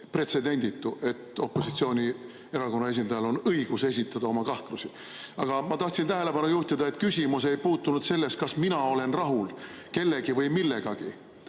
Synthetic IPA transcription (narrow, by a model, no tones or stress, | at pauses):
pre̞t̪se̞d̪e̞nʲd̪it̪ːˑuʔe̞t̪ːˑo̞pːˑo̞sit̪sio̞ːnʲi | e̞ɾɑko̞nːɑe̞s̬ind̪ɑjɑlo̞nɤiɡ̥use̞sʲit̪ːˑɑd̪̥ɑo̞mɑkɑht̪lusi | ɑɡ̥ɑmɑt̪ɑht̪sint̪æɦe̞le̞pɑnujuht̪id̪̥ɑe̞t̪kysʲimus̬ejpuːt̪ːˑunud̪se̞lːe̞st̪̚kɑsminɑo̞le̞nrɑɦul | ke̞lːe̞ɡ̥ivɤjmilːe̞ɡ̥ɑɡ̥i